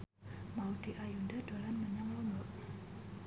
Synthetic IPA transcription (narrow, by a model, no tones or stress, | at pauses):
maud̪̥iʔajundad̥olanməɲaŋlɔmbɔʔ